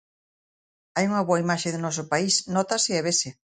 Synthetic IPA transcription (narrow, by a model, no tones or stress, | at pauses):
ajuŋɐβoaimaʃeðɪnɔs̬ʊpaisnɔt̪aseɛβese